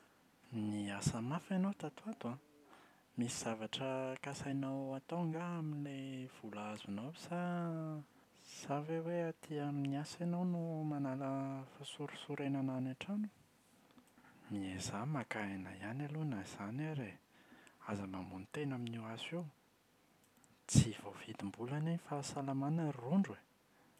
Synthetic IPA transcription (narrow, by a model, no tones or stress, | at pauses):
niasəmafanowt̪at̪uat̪ua | misiz̥avaʈ͡ʂəkasajnawat̪oŋɡaaminlev̥ulaazunosa | saveweat̪ʰiamniasanownumanaləfasuɾu̥suɾenananaʈ͡ʂanu̥ | miezamakaena̰ijanalunaz̥anaɾe | azamamunit̪enaminiwasew | t͡siv̥ov̥id̪imbulananifasalamanəruɳɖ͡ʐwe